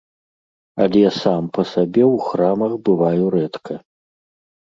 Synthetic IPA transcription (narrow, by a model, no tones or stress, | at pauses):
ɐlʲɛjasampɐsabʲɛwxramɐxbɨvajuɾɛt̪kʰɐ